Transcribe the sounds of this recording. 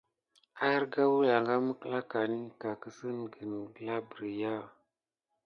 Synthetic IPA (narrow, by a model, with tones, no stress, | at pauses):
a˦ɾɡa˦wu˦la˨ŋɡa˦mə˦kə˦la˦ka˨ni˦ka˨kə˦sə˦n˨ɡə˨n˨ɡə˨la˦bə˨ɾi˨ja˦˨